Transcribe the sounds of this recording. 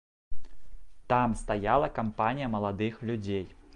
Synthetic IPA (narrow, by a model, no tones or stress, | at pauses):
t̪amst̪ajalˠɐkampanʲijɐmɐlˠad̪ɨxlʲud͡zʲej